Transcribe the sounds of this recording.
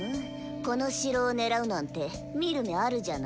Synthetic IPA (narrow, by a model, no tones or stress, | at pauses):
ɯ̃ | ko̞no̞ɕiɾo̞ːne̞ɾaɯ̟nãnt̪e̞ | mʲiɾɯ̟meaɾɯ̟ʑana